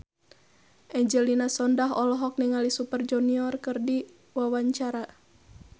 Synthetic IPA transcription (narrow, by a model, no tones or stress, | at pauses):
ʔɛɲd͡ʒɛlinasɔndaɦɔlɔɦɔk̚niŋalisupərd͡ʒuniɔrkɨrdi | wawaɲt͡ʃaɾa